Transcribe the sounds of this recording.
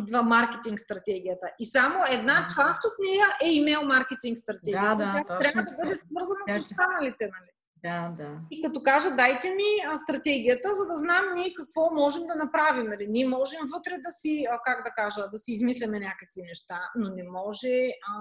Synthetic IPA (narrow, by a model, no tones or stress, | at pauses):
id̪vɐmaɾkɛt̪iŋkst̪ɾɐt̪ɛɡ̟ijət̪əʔisamoɛd̪nat͡ʃlˠast̪ot̪nɛjəʔɛimɛlˠmaɾkɛt̪iŋkst̪ɾɐt̪ɛɡiəjat̪ɾavəd̪ɐbɤd̪ɛsvɤɾzɐnɐsost̪anɐlit̪ɛnɐli | d̪ad̪aikɐt̪ɔkaʒəd̪ajt̪ɛmiəst̪ɾɐt̪ɛɡʲijət̪əzɐd̪ɐznamniɛkɐkvɔmɔʒɛmd̪ɐnɐpɾavimnɐliniɛmɔʒɛmvɤt̪ɾɛd̪ɐsikaɡd̪ɐkaʒəd̪ɐsiːzmislɛmɛnʲakəkvinɛʃt̪anonɛmɔʒɛ